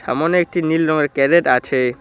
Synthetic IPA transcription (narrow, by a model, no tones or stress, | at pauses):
a̰moneek̚ʈinilɾɔŋeɾkɛɾeʈat͡ɕʰe